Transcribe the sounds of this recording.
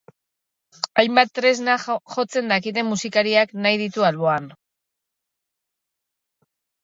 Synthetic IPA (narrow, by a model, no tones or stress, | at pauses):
ajmbat̪ːɾe̞znaxo̞t͡se̞nd̪akit̪e̞mːusikaɾiaknajð̞it̪ualβo̞an